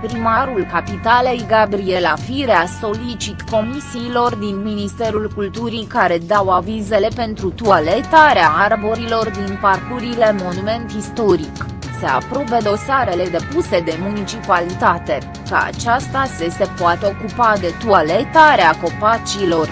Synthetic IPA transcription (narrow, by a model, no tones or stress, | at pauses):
pɾimaɾulkapit̪ale̞jɡabɾie̞lafiɾeaso̞lit͡ʃit̪ko̞misiːlo̞rd̪inminist̪e̞ɾulkult̪uɾikaɾe̞d̪awavize̞le̞pe̞nt̪ɾut̪uale̞t̪aɾeaarbo̞ɾilo̞rd̪inparkuɾile̞mo̞nume̞nt̪ist̪o̞ɾik | se̞a̰pɾo̞be̞d̪o̞saɾe̞le̞d̪e̞puse̞d̪e̞munit͡ʃipalit̪at̪e̞ | kəa̰t͡ʃast̪asese̞poat̪eo̞kupad̪e̞t̪ualet̪aɾeako̞pat͡ʃilo̞r